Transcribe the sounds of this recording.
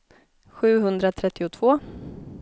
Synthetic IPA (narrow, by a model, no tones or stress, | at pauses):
ɧʉ̟ːɦɵnd̪ɾat̪ʰɾɛt̪ʰːɪʊt̪ʰv̥oː